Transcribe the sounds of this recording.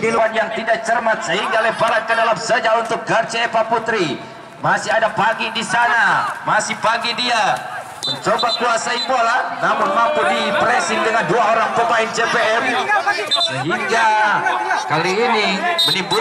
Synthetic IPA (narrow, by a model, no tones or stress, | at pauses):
niluanjaŋt̪idaʔt͡ʃərmat̪̚səɦiŋɡalɛbalankədalamsəd͡ʒaunt̪ʊk̚ɡart͡ʃiepaput̪ɾi | masɪɦadapaɡidisanamasɪhpaɡidia | məɲt͡ʃobakuasaibolanamʊnmampudipɾɛsɪndəŋanduaoɾaŋpəmaɪnd͡ʒepeɛm | səɦiŋɡa | kaliːnimənibu